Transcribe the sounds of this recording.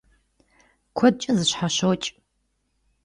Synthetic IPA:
kʷʰɔd̚t͡ʃʼɐzɨɕħaɕowt͡ʃʼ

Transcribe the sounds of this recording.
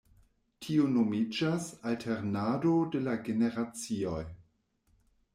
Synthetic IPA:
tʰionomid͡ʒasaltʰe̞ɾnadode̞laɡene̞ɾat͡sio̞j

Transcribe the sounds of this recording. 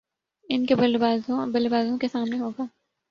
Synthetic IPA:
ɪnkeblazbɐlibaːzõkesaːmneɦoːɡaː

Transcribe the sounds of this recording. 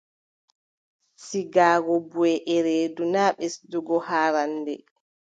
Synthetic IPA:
siɡaːɡɔbuɛʔɛɾeːdunaːɓɛsduɡɔhaːɾandɛ̰

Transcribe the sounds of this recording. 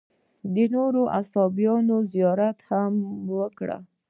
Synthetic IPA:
d̪ənoɾoʔasɑbjɑnozijɑɾat̪hamwəkɽa̰

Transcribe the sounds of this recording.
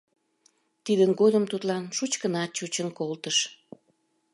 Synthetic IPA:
t̪id̪ənɡod̪əmt̪ut̪lɑnʃut͡ɕkənɑt̪̚t͡ɕut͡ɕənkolt̪əʃ

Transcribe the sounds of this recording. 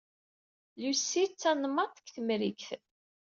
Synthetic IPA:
lusːit͡sːænmɑt̪ˤə̥kθəmɾikθ

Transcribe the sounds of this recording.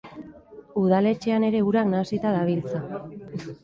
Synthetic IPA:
uðale̞t͡ʃe̞ane̞ɾe̞uɾaknasit̪aðaβilt͡sa

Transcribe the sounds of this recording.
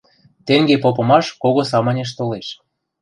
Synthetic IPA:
t̪eŋɡepopɤ̆mɑʃkoɣosɑmɤnʲeʃ̬t̪oleʃ

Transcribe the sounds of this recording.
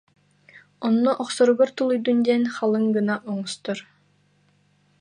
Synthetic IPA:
ɔnːɔʔɔχsɔɾuɡɔɾt̪ulˠujd̪und̪iɛnχalˠɯŋɡɯnaʔɔŋɔst̪ɔɾ

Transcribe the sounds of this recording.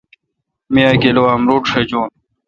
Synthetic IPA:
mijaːkelowaːmɾoːʈʂed͡ʑoːn

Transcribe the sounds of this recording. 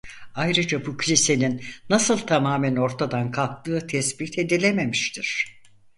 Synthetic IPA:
ajɾɯd͡ʒabucʰylʲise̞ninːasɯlˠt̪ʰamaːmæno̞ɾt̪ʰad̪ankʰalˠk̚t̪ɯːt̪ʰɛsbit̪ʰe̞d̪ilʲe̞me̞miʃt̪ʰiɾ̥

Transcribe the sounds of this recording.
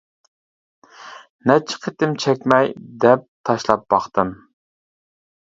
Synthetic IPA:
nɛt͡ʃʰɪ̥qʰet̪ɪmt͡ʃʰɛkʲmɛjd̪ɛp̚t̪ʰɑʃlˠɑp̚b̥ɑχt̪ɨm

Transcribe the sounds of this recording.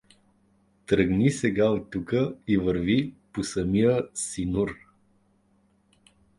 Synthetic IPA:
t̪ɾəɡnisɛɡaot̪ːukəivəɾviposəmijəsinuɾ

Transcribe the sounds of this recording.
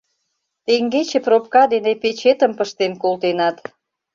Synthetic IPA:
t̪eŋɡet͡ɕeprop̚kɑd̪enepet͡ɕet̪ə̆mpəʃt̪enkolt̪enɑt̪

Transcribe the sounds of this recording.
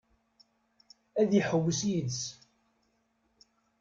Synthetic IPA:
æðjiħəwːəsjəðs

